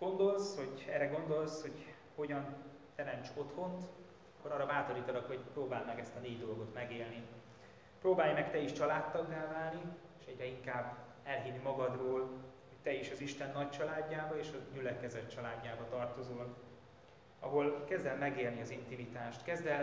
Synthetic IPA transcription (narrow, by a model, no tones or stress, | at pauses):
ɡ̥o̞nd̪o̞lsho̞ɟɛːrɛɡo̞nd̪o̞lsho̞ɟ | ho̞ɟɒn | t̪ɛɾɛnt͡ʃo̞t̪ho̞nt̪ | ɒkːoɾɒːrːɒvaːt̪o̞ɾiːt̪ɒlɒkho̞ɟproːbaːlmɛɡɛst̪ɒneːɟd̪o̞lɡo̞t̪mɛɡeːlni | proːbaːjmɛkt̪ɛiʃt͡ʃɒlaːt̪ːɒɡːaːvaːlni | eːʃɛɟrɛiŋkaːb | ɛlɦinːimɒɡɒd̪roːlho̞c̚t̪ɛiʃɒziʃt̪ɛnːɒct͡ʃɒlaːɟːaːbɒeːʃɒɟylɛkɛzɛt̪t͡ʃɒlaːɟːaːbɒt̪ɒrt̪o̞zoːl | ɒ̰ɦo̞lkɛzd̪ɛlmɛɡeːlniɒzint̪imit̪aːʃt̪kɛzd̪ɛ